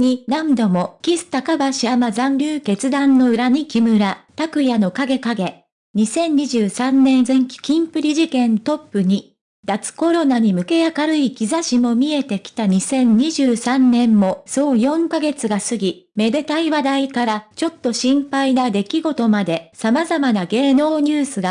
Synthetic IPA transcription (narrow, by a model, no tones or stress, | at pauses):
ɲ̟inãnd̪o̞mo̞kʲisɨ̥t̪akabaɕiamazãnɾʲɯːke̞t͡sɨd̪ãnːo̞ɯ̟ɾaɲ̟ikʲimɯ̟ɾat̪akɯ̟jano̞kaɡe̞kaɡe̞ | ɲ̟isẽ̞ɲ̟ːɲiʑɨːsãnːẽ̞nzẽ̞ŋkʲi̥kʲĩmpɯ̟ɾʲiʑikẽ̞nt̪o̞pːɯ̟ɲ̟i | d̪̥at͡sɨ̥ko̞ɾo̞naɲ̟imɯ̟ke̞jakaɾɯ̟ikʲizaɕimo̞mʲie̞t̪e̞kʲi̥t̪aɲ̟isẽ̞ɲ̟ɲiʑɨːsãnːẽ̞mːo̞so̞ːjõ̞ŋkaɡe̞t͡sɨɡasɨɡʲime̞d̪e̞t̪aiβad̪aikaɾat͡ɕo̞t̪ːo̞ɕĩmpainad̪e̞kʲiɡo̞t̪o̞mad̪e̞samazamanaɡe̞ːno̞ːɲ̟ɨːsɨɡa